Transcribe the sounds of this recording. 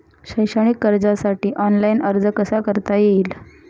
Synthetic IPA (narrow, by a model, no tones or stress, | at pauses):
ɕəjɕəɽ̃ikːəɾd͡zasaʈiːʔɔnlainəɾd͡zəkəsakəɾt̪ajeiːl